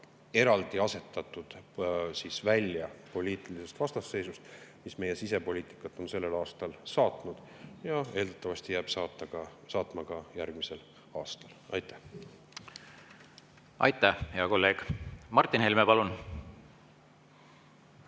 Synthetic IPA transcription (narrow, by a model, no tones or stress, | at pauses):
e̞ɾɑld̪iɑse̞t̪ːˑɑt̪ːˑud̪̥siːsvælʲjɑpo̞lʲiːt̪ˑilise̞st̪vɑst̪ɑsːe̞jsust̪misme̞je̞sise̞po̞lʲiːt̪ˑi̥kːˑɑt̪ːˑo̞nse̞lːe̞lɑːst̪ɑlsɑːt̪nud̪̥ | jɑe̞ːld̪ɑt̪ːˑɑvɑst̪ijæːb̥sɑːt̪ːˑɑɡ̥ɑsɑːt̪ˑmɑɡ̥ɑjærɡ̥mise̞l | ɑːst̪ɑlɑ̰jt̪ːˑæ̥h | ɑjt̪ːˑæhheɑko̞lːe̞ːɡ̥mɑrt̪ˑːinhelmepɑlun